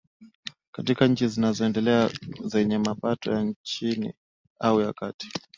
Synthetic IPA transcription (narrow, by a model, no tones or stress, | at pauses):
katikaɲ̩t͡ʃizinazɔɛndɛlɛazɛɲɛmapatɔjant͡ʃinḭ | aujakati̥